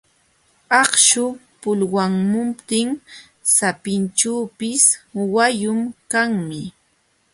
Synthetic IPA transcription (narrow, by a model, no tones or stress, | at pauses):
ɑχʃʊ | pʊlwaŋmʊmpt̪ɪŋ | sapɪnt͡ʃuːpɪswajʊmkaŋmɪ